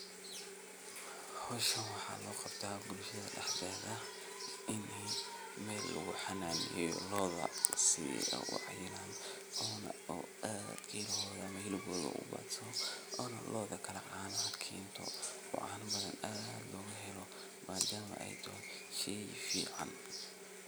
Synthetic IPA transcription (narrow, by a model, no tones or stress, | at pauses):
hɔʃɐwɑħɑ̰ːlɔːqɑb̥t̪ʰaːbʊlʃɐðɐ̰ɖɛħɡaðɐ | ʔɪnɛ | mɛːlːɐ̰ɣʊħɑnaːmɛjɔ̰lɔːðɐ̰sḭʔʊ̰ʕɑ̰jɪnaːn | ʔɔːnɐ̰uʔad̪ɡʰɛlhɔːðɐmɐhɪlɪbɔːðɐ̰ʔʊ̰ba̰ːd̪sɔʔɔːnɐlʔɔːðɐkʰɐlɐʕɑːnhɐd̪kʰɛːnt̪ʰɔ̰wɑ̰ʕɑ̰ːnbɐðɐnaːd̪lɔːɣɐɦɛlɔ | maːd̪aːmɐ̰ʔɛ̰jt̪ʰɔʃɛjfḭːʕɑ̰n